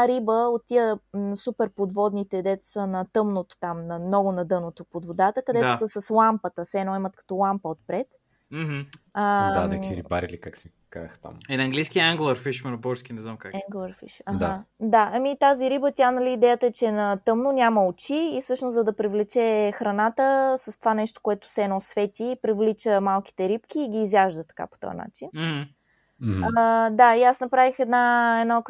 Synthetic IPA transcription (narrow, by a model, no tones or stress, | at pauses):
aɾibəot̪ːiəsupɛɾpod̪vɔd̪nit̪ɛd̪ɛt̪o̥sənɐt̪ɤmnot̪o̥t̪amnɐmnɔɡʊnɐd̪ɤnot̪opod̪vod̪at̪əkɐd̪ɛd̪t̪ʊsəsɐslˠampət̪əsɛnɔimɐt̪kɐ̥t̪ɔlˠampəot̪̚pɾɛt̪ | m̩ɦ̩əd̪anɛkiɾḭba̰ɾilikaksii | ka̰z̰xt̪a̰mɛnɐŋɡlijskiəaŋɡlˠɐɾfiʃmɛnbɔɾskʲinɛznamkakaŋɡlɐɾfḭʃɐdxad̪aʔɐmit̪aziɾibət̪ʲanɐliːd̪ɛjət̪əɛt͡ʃɛnɐt̪ɤmnonʲaməot͡ʃiːfsɤʃnʊszɐd̪ɐpɾivlɛt͡ʃɛxɾɐnat̪əsəst̪ovanɛʃt̪o̥koɛt̪ʊ̥sɛːnɔsvɛt̪ʲiːpɾivlit͡ʃəmalˠki̥t̪ɛɾipkʲiːɡʲiːzjaʒd̪ət̪ɐ̥ka̰po̥t̪ɔ̰jə̰na̰t͡ʃin̩h̩ | d̪aiasnɐpɾavixɛd̪naɛd̪na